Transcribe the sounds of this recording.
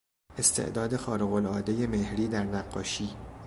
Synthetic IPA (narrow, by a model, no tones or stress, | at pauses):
e̞st̪ʰḛʔd̪ɒːd̪e̞xɒːɾeɣo̞lɒːd̪e̞je̞mehɾiːd̪æɾnæɡːɒːʃiː